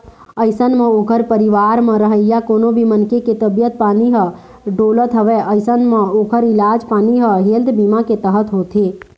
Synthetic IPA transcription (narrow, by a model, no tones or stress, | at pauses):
əɪsənmə̃oːkəɾpəɾɪʋaːɾmə̃ɾəɦəjjakoːnobʱimənkeket̪əbjət̪̚paːniɦə | ɖoːlət̪ɦəʋeʔəɪsənmə̃oːkəɾɪlaːd͡ʒpaːniɦəɦeːld̪bimaket̪əɦət̪ɦoːt̪e